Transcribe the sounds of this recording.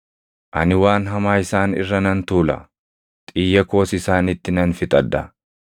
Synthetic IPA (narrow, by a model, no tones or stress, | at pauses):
ʔɐnɪwaːnɦɐmaːɪsaːnɪ̰rːɐnɐnt̪uːlɐ̰ | t̪ʼiːjːɐko̞ːsɪsaːnɪt̪ːɪnɐnfɪt̪ʼɐd̪ːɐ